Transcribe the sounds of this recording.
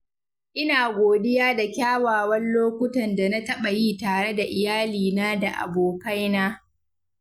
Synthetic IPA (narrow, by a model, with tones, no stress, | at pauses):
ʔɪ˦naː˨ɡʷoː˨dɪ˦jaː˦da˨kʲaː˦waː˨wɐ˦nloː˦kʷʊ˦tɐ˨nda˨na˦tɐ˦ɓa˨ji˦taː˨ɽe˦da˨ʔɪ˨jaː˦liː˨naː˦da˨ʔa̰˨boː˨ka˦jnaː˦